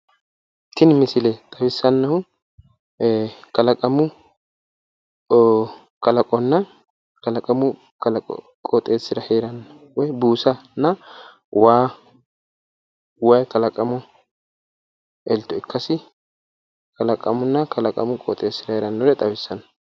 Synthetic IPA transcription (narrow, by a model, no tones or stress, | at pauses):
t̪ːɪnmɪsɪlɛt̪ʼɐwɪsːɐnːɐhʊ | kɐlɐkʼɐmʊ | kɐlɐkʼɔnːɐ | kɐlɐkʼɐmʊ | kɐ̰ | kʼɔt̪ʼeːsːɪɾɐheːɾɐnːɔ | wɛbuːsɐnːɐ | waː | wɐjkɐlɐkʼɐmʊ | ɛlt̪ːɔɪkːɐsɪ | kɐlɐkʼɐmʊnːɐkɐlɐkʼɐ̰mʊkʼɔ̰t̪ʼeːsːɪdɐheːɾɐnːɔwɛt̪ʼɐwɪsːɐnːɐ